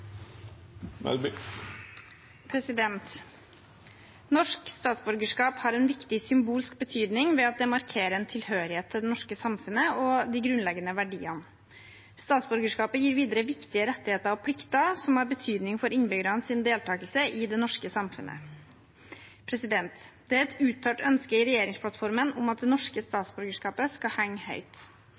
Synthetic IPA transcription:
mɛ̰lb | pʰɾɛsɪd̪ɛnt̪ | nɔʂkst̪ɑːt̪sbʉɾɡəʂkɑːphɑɾɛnʋɪkt̪ɪsʏmbuːlsk̚bət̪ʰyːd̪nɪŋʋɛɑt̪̚d̪ɛmɑɾkʰeːɾəɛnt̪ʰɪlhøːɾɪheːt̪ʰːɪld̪ɛnɔʂkəsɑmfʉnəɔd̪ɪɡɾʉnlɛɡːənəʋæɖiːən | st̪ɑːt̪sbʉɾɡəʂkɑːpəjiːɾʋiːd̪əɾəʋɪkt̪ɪəɾɛt̪ːɪheːt̪əɾɔpʰlɪkt̪əsɔmɑɾbət̪ʰyːd̪nɪŋfɔɾɪnbʏɡɾɑnsɪnd̪eːlt̪ʰɑːkəlsəʔɪd̪ɛnɔʂkəsɑmfʉ̰nə̰ | pʰɾɛsɪd̪ɛnt̪d̪̥ɛɛt̪ʉːt̪ʰːøːʈœnskəɪɾɛjeːɾɪŋspʰlɑt̪fɔɾmənʊmɑt̪̚d̪ɛnɔʂkəst̪ɑːt̪sbʉɾɡəʂkɑːpəskɑhɛŋːhœ̰ʏt̪

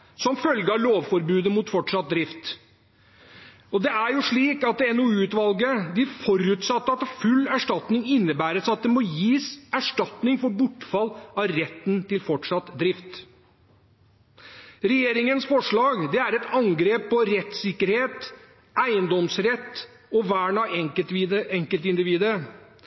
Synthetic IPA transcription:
sɔmfœlɡɑloːʋfɔɾbʉːd̪əmuːt̪fɔʈʂɑt̪̚d̪ɾɪft̪ | ɔd̪ɛʔæɾjʊʂɭiːkɑt̪ɛnɔʉːʉt̪ʋɑlɡəd̪ɪfɔɾʉːt̪sɑt̪ːəɑt̪fʉlːæʂʈɑt̪nɪŋɪnːəbæːɾəsɑt̪̚d̪ɛmɔjiːsæʂʈɑt̪nɪŋfɔɾbʊʈːfɑlɑɾɛt̪ːnt̪ɪlfɔʈʂɑt̪d̪ɾɪft̪ | ɾɛjeːɾɪŋənsfɔʂɭɑːɡd̪ɛæɾɛt̪ɑŋɡɾeːpʰːɔɾɛt̪sɪkːəɾheːt̪ | æɪənd̪ɔmsɾɛt̪ː | ɔʋæːɳɑɛ | ɛŋkəlt̪ɪnd̪ɪʋiːd̪əɾ

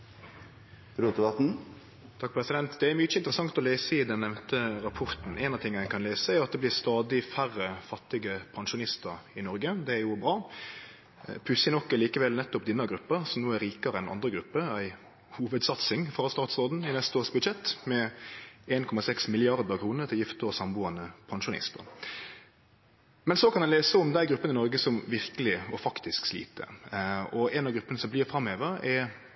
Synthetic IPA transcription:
ɾuːɛbɑt̪n̩ | t̪ʰɑk̚ːpʰɾɛsɪd̪ɛnt̪d̪ɛæɾmʏt͡ʃəɪnt̪ɾəsɑŋt̪ɔleːsəɪd̪ɛnːɛʋnt̪əɾɑpʰɔɾt̪n̩eːnɑʋt̪ɪŋːəæɪkʰɑnleːsəæɾɑt̪̚d̪ɛblɪɾst̪ɑːd̪ɪfæɾːəfɑt̪ːɪɡəpʰɑnʃʊnɪst̪əɾɪnɔɾɡəd̪ɛæɾjʊbɾɑː | pʰʉsənɔkːɑliːkəʋɛlnɛt̪ːʊpd̪ɪnɑɡɾʉpːəɾsɔmnoːæɾiːkəɾəɛnɑ̰nd̪ɾəɡɾʉpːəæɪ | huːʋəd̪sɑt̪sɪŋfɾɑst̪ɑːt̪sʁoːd̪n̩ɪnɛst̪əoːɾsbʉd̪ʃɛt̪ːmɛ | eːnkʰɔmɑsɛksmɪlɪɑɾd̪əkʰɾuːnəɾt̪ʰɪljɪft̪əɔsɑmbuːɑnəpʰɑnʃʊnɪ̰st̪ə̰ɾ | mɛnsɔkʰɑnɑnleːsəʊmd̪æɪɡɾʉpːənɪnɔɾɡəsɔmʋɪɾkəlɪɔfɑkt̪ɪskslḭːt̪ə̰ɔɛnɑɡɾʉpːənəsɔmblɪːɾfɾɑmːeːʋəɾɛɾ

